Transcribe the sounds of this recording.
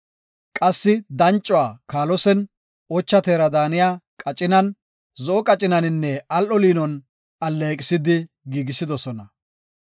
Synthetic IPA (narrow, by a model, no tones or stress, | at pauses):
kʼɐsːɪd̪ɐnt͡ʃʼːɔwaːkaːlɔsɛn | ɔt͡ʃːɐt̪eːɾɐd̪aːnɪjaːkʼɐt͡ʃʼɪnɐn | zɔɔkʼɐt͡ʃʼɪnɐnɪnːɛɐlʔɔliːnɔn | ɐlːekʼɪsɪd̪ɪ | ɡiːɡɪsɪd̪ɔsɔnɐ